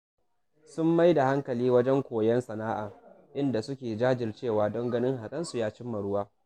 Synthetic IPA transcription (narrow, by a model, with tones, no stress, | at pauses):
sʊ˦mːa˦jda˨ha˦ŋkɐ˨liː˦wɐ˦d͡ʒɛ˦ŋkʷoː˨jɛ˦nsɐ˨naː˦ʔaː˨ | ʔɪ˦nda˨sʊ˦kʲeː˨d͡ʒaː˦d͡ʒɪ˨rt͡ʃeː˦˨waː˦dɔ˦ŋɡɐ˦nɪ˦ŋha˨kʼɐ˦nsu˨jaː˦t͡ʃɪ˦mːɐ˨ɽʊ˦waː˦